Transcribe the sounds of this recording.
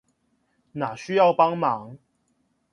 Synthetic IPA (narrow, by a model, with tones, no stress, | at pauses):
na˨˩ɕy˦jɑ˥˨ʊpɑ˦ŋma˨˦ŋ